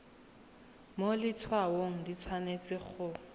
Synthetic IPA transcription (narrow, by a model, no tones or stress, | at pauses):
molɪt͡sʰwawoŋ̩dit͡sʰwanet͡sɪk͡xʰʊ